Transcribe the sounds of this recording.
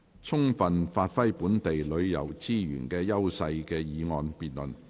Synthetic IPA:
t͡sʰʊ˥ŋfɐ˨nfaː˧t̚fɐ˥jpuː˨˥nt̪e˨jlɵ˨˧ɥjɐ̰˨˩wt͡siː˥jy̰ː˨˩nkɛː˧jɐ˥wsɐ˧jkɛː˧jiː˨˧ŋɔː˧npiː˨t̚lɵ˨n

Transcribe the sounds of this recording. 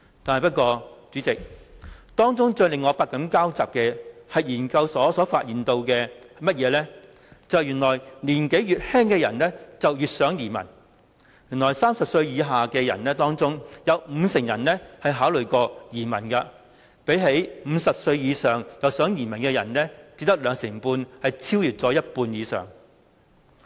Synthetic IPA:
t̪aː˨nhjpɐ˥t̚kɔː˧t͡syː˨˥t͡sɪ˨k̚t̪ɔː˥ŋt͡sʊ˥ŋt͡ʃœː˧lɪ˨ŋːɔː˨˧paː˧t̚kɐ˨˥mkaː˥wt͡saː˨p̚kɛː˧hɐ˨jjiː˨˩nkɐ˧wsɔː˨˥sɔː˨˥faː˧t̚jiː˨nt̪o˧wkɛː˧mɐ˥t̚jɛː˨˧lɛː˥ | t͡sɐ˨˧whɐ˨jyː˨˩nlɔː˨˩jliː˨˩nke˨˥jjyː˨t̚hɛː˥ŋkɛː˧jɐ˨˩nlɛː˥t͡sɐ˨wjyː˨t̚sœː˨˥ŋjiː˨˩mɐ̰˨˩n | jyː˨˩nlɔː˨˩jsaː˥msɐ˨p̚sɵ˧ɥjiː˨˧ɦaː˨kɛː˧jɐ̰˨˩nnɛː˥t̪ɔː˥ŋt͡sʊ˥ŋjɐ˨˧wm̩ː˨˧sɪ˨˩ŋjɐ˨˩nlɛ˥hɐ˨jɦaː˨˥wlɵ˨˩ɥkɔː˧jiː˨˩mɐ˨˩nkɐ˧ | pe˨˥jɦe˨˥jm̩˨˧sɐ˨p̚sɵ˧ɥjiː˨˧sœː˨ŋjɐ˨˧wsœː˨˥ŋjiː˨˩mɐ˨˩nkɛː˧jɐ̰˨˩nnɛ˥t͡siː˧˥t̪ɐ˥k̚lœː˨˧ŋsɪ˨˩ŋpuː˧nhɐ˨jt͡sʰiː˥wjyː˨˩t̚t͡sɔː˨˥jɐ˥t̚puː˧njiː˨˧sœ̰ː˨˩ŋ

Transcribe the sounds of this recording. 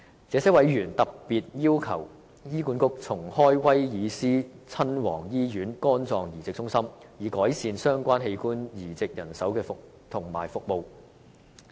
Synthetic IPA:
t͡sɛː˨˧˥sɛ˨˥wɐ˨˥jɥyː˨˩nt̪ɐ˨k̚piː˨t̚jiː˥wkʰɐ˨˩w | jiː˥kuː˨˥nkʊ˥k̚t͡sʰʊ˨˩ŋhɔː˥jwɐ˥jjiː˨˧siː˥t͡sʰɐ˥nwɔː˨˩ŋjiː˥jyː˨˥nkɔː˥nt͡sɔː˧ŋjiː˨˩t͡sɪ˨k̚t͡sʊ˥ŋsɐ˥mjiː˨˩kɔː˨˥jsiː˧nsœː˥ŋkʷaː˥nɦe˧jkuː˥njiː˨˩t͡sɪ˨k̚jɐ˨˩nsɐ˨˥wkɛː˧fʊ˨k̚ | t̪ʰʊ˨˩ŋmaː˨˩jfʊ˨k̚mo˨˧w

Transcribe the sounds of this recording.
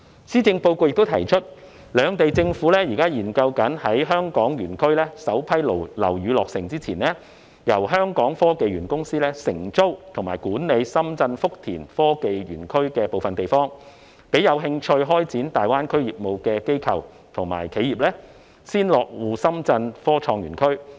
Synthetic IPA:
siː˥t͡sɪ˧ŋpo˧wko˧wjɪ˨kt̪o˥wt̪ʰɐ̰˨˩jt͡ʃʰɵ˥t̚ | lœː˨˧ŋt̪e˨jt͡sɪ˧ŋfuː˨˥lɛː˥jiː˨kaː˥jiː˨˩nkɐ˧wkɐ˨˥nhɐ˨˥jɦœː˥ŋkɔː˨˥ŋjyː˨˩nkʰɵ˥ɥlɛː˥sɐ˨˥wpʰɐ˥jlo˨˩lɐ̰˨˩wjyː˨˧lɔː˨k̚sɪ˨˩ŋt͡siː˥t͡sʰiː˨˩nlɛː˥ | jɐ˨˩wɦœː˥ŋkɔː˨˥ŋfɔː˥ke˨jɥyː˨˩nkʊ˥ŋsiː˥lɛː˥sɪ˨˩ŋt͡so˥wt̪ʰʊ˨˩ŋmaː˨˩jkuː˨˥nle˨˧jsɐ˥mt͡sɐ˧nfʊ˥k̚t̪ʰiː˨˩nfɔː˥ke˨jɥyː˨˩nkʰɵ˥ɥkɛː˧po˨wfɐ˨nt̪e˨jfɔː˥ŋ | pe˨˥jɐ˨˧wɦɪ˧ŋt͡ʃʰɵ˧ɥɦɔː˥jt͡siː˨˥nt̪aː˨jwaː˥nkʰɵ˥ɥjiː˨˩p̚mo˨˧wkɛː˧ke˥jkʰɐ˨w | t̪ʰʊ˨˩ŋma̰ː˨˩jkʰe˨˥jiː˨˩p̚lɛː˥ | siː˥nlɔː˨k̚wuː˨˧sɐ˥mt͡sɐ˧nfɔː˥t͡ʃʰɔː˧ŋɥyː˨˩nkʰɵ˥ɥ

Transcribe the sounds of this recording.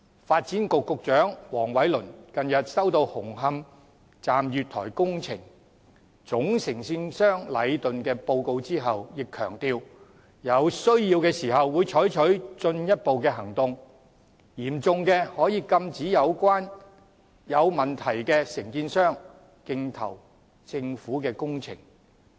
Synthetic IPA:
faː˧t̚t͡siː˨˥nkʊ˨kːʊ˨k̚t͡ʃœː˨˥ŋwɔː˨˩ŋwɐ˨˥jlɵ˨˩nkɐ˨njɐ˨t̚sɐ˥wt̪o˧whʊ˨˩ŋɦɐ˧m | t͡saː˨mjyː˨t̪̚ʰɔ̰ː˨˩jkʊ˥ŋt͡sʰɪ˨˩ŋ | t͡sʊ˨˥ŋsɪ˨˩ŋsiː˧nsœː˥ŋlɐ˨˧jt̪ɵ˨nkɛː˧po˧wko˧wt͡siː˥ɦɐ˨wjɪ˨kʰːœ̰ː˨˩ŋt̪iː˧w | jɐ˨˧wsɵ˥ɥjiː˧wkɛː˧siː˨˩hɐ˨wːuː˨˧jt͡ʃʰɔː˨˥jt͡ʃʰɵ˨˥ɥt͡sɵ˧njɐ˥t̚po˨˧wkɛː˧ɦɐ˨˩ŋt̪ʊ˧ŋ | jiː˨˩mt͡sʊ˧ŋkɛː˧hɔː˨˥jiː˨˧kɐ˧mt͡siː˨˥jɐ˨˧wkʷaː˥n | jɐ˨˧wmɐ˨˩nt̪ʰɐ˨˩jkɛː˧sɪ˨˩ŋkiː˧nsœː˥ŋ | kɪ˧ŋt̪ʰɐ̰˨˩w | t͡sɪ˧ŋfuː˨˥kɛː˧kʊ˥ŋt͡sʰɪ̰˨˩ŋ

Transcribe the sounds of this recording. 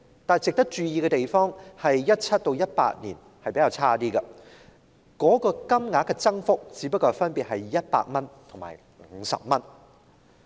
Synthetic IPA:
t̪aː˨t͡sɪ˨k̚t̪ɐ˥k̚t͡ʃyː˧jiː˧kɛ˧t̪e˨jfɔː˥ŋhɐ˨jjɐ˥t̚t͡sʰɐ˥t̚t̪o˧wjɐ˥t̚pa̰ː˧˥t̚niː˨˩n | hɐ˨jpe˨˥jaː˨˧wt͡sʰaː˥t̪iː˥ɡɐ˧ | kɔː˨˥kɔː˧kɐ˥mŋaː˨˥kɛ˧t͡sɐ˥ŋfʊ˥k̚t͡siː˨˥pɐ˥kːɔː˧fɐ˥npi˨t̚ɦɐ˨jːɐ˥t̚pa̰ː˧k̚mɐ˥nt̪ʰʊ˨˩ŋma̰ː˨˩j | ŋ̩˨˧sɐ̰˨p̚mɐ˥n

